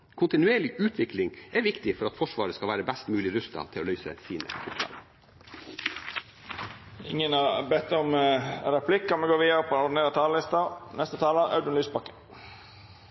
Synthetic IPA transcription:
kʰʊnt̪ɪnʉeːɭɪʔʉːt̪ʰʋɪklɪŋɛʋɪkt̪ɪfɔɾɑt̪fɔʂʋɑːɾəskɑʋæːɾəbæst̪mʉːlɪɾʉst̪ɑ̰t̪ʰɪloːlœʏsə̰siːnə̰ʊplɑ̰ːl | ɪ̰ŋənɑbɛt̪ːɔmɾɛpʰlɪkːɑmɛɡoːɾʋiːɑɾəpʰɔɔɖɪn̩eːɾət̪ʰɑːləlɪst̪ɑnɛst̪ət̪ʰɑːləʔɑ̰ʉd̪ənlyːsbɑkːə̥

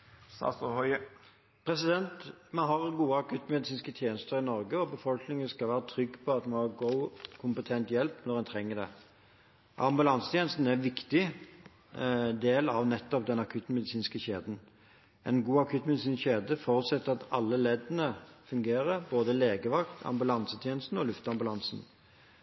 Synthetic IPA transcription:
sɑ̰st̪hɔ | pʰɾɛsɪd̪ɛnt̪mɛnɦɑʁɡuːəɑkʰʉt̪mɛd̪ɪsiːnskət̪ʰjeːnəst̪əʁɪnɔɾɡəɔbəfɔlknɪŋənskɑlʋæːʁət̪ʰɾʏɡːpʰɔɑt̪mɛnhɑʁɡoʊkʰʊmpət̪ʰɛnt̪jɛlpnɔʁɛnt̪ʰɾɛŋːəd̪ɛ̰ | ʔɑmbʉlɑnsə̥t̪ʰjeːnəst̪n̩æʋɪkt̪ɪ | d̪eːlɑʋnɛt̪ːɔp̚d̪ɛnɑkʰʉt̪ːmɛd̪ɪsiːnskəçeːd̪n̩ | ʔɛnɡuːɑkʰʉːt̪mɛd̪ɪsiːnsçeːd̪əfɔʁʉt̪sɛt̪ːɑt̪ɑlːəleːd̪ənəfʉŋɡeːɾəɾboːd̪əleːɡəʋɑkt̪ʰɑ̰mbʉlɑnsət̪ʰjeːnəst̪n̩ɔlʉft̪ɑmbʉlɑnsn̩

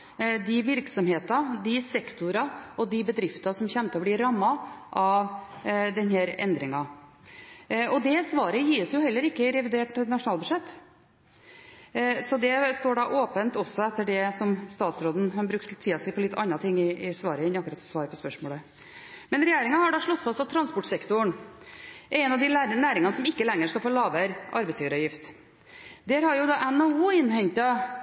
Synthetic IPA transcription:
d̪ɪʋɪɾksɔmheːt̪ɑd̪ɪsɛkt̪ʊɾɑʔɔd̪ɪbəd̪ɾɪft̪ɑsɔmçɛnt̪əɔblɪɾɑmːɑʔɑʋd̪ɛnhæːɾɛ̰nd̪ɾɪŋɑ | ɔd̪ɛsʋɑːɾəjiːəsjʊhɛlːəɾɪkːəɾɛʋɪd̪eːʈnɑʂʊnɑːlbʉʂɛt̪ː | sɔd̪ɛst̪oːɖɑʔoːpənt̪ɔsːɔɛt̪ːəɖɛsɔmst̪ɑːt̪sɾoːd̪n̩hɑbɾʉkt̪t̪ʰːiːɑsɪpʰɔlɪt̪ʰːɑnɾɑt̪ʰɪŋːɪɪsʋɑːɾəɪnːɑkːɾɑt̪sʋɑːɾəpɔspœʂmoːlə | mɛnɾɛjeːɾɪŋɑhɑɖɑʂɭɔt̪ːfɑst̪ɑt̪ʰːɾɑnspɔʈsɛkt̪ʊɳ | ʔɛɾɛɪnɑʋd̪ɪlænæːɾɪŋɑnəsɔmɪkːəlɛŋːəʂkɑlfoːɭɑːʋəɾʔɑ̰ɾbɛɪsiːʋəɾɑʋjɪft̪ | d̪æːɾhɑɾjʊd̪ɑːʔɛnouːɪnhɛɲt̪ɑ

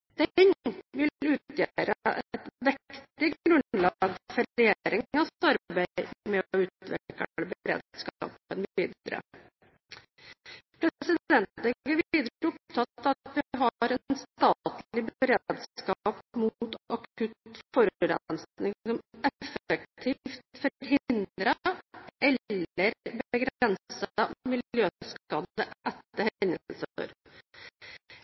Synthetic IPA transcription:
d̪̥ɛnʋɪʉːt̪jæɾə̰ʔɛt̪ʋɛkt̪ɪɡɾʉnlɑɡfɔɾɾɛjeɾɪŋɑɑɾbæmɛɔʉːt̪ʋɛ̰kəɭəbɾḛːd̪skɑ̰ːpənʋiːd̪ɾə̰ | pʰɾɛsɪd̪ɛnt̪ɛɡəʋiːd̪ɾəʊp̚t̪ʰɑt̪ːɑt̪ʋɪɦɑɾɛnst̪ɑt̪llɪbəɾeːd̪skɑːpmut̪ɑkʉt̪fɔɾɾɛ̰nsnɪŋsɔmɛfək̚t̪ʰiːft̪fɔɾɦɪndd̪ɾəʔɛləɾbəɡɾɛnssəmɪljøːsɑnd̪əɛt̪ːəɾhɛnəlsəɔ̰ɾ

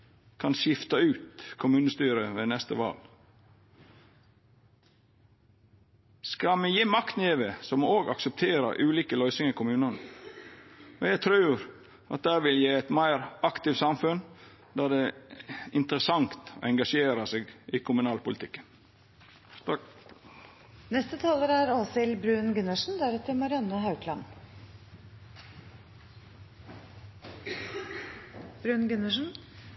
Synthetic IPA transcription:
kʰɑnʃjɪft̪ɑʉːt̪kʰʊmʉːnəst̪yːɾəʋeːnɛst̪əʋɑ̰ːl | skɑmɛjiːmɑkt̪neːʋəsɔmooːɡɑksəp̚t̪ʰeːɾə̰ʔʉːliːkəlœʏsɪŋəkʰʊmʉːnən | ɔjæɡt̪ʰɾʉːɾ | ɑt̪̚d̪æːɾʋɪljiːɛt̪mæɪɾɑkt̪ɪfsɑmfʉn | d̪æd̪e | ɪnt̪əɾəsɑŋt̪o̰ɛŋɡɑʂeːɾɑseːɡʔɪkʰʊmʉnɑːlpʊlɪt̪ɪkːən | nɛst̪ət̪ʰɑːləɾæɾɔsɪlbɾʉːnɡʉnəʂn̩d̪æɾɛt̪əɾmɑɾɪɑnːəɦɑʉkʰlɑn | b̥ɾʉːnɡʉnəʂn̩

